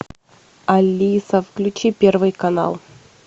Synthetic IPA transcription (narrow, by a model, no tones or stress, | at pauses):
ɐlʲːisɐfklʲʉt͡ɕipʲervɨjkɐna̰lˠ